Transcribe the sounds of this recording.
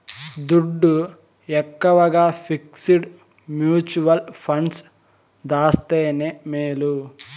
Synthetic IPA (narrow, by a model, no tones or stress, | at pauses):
d̪uɖːu | ɛkːɐʋɐɡaːpʰiksiɖ | mjuːt͡ʃuʋɐlpʰɐɳs | d̪aːst̪eːnemeːlu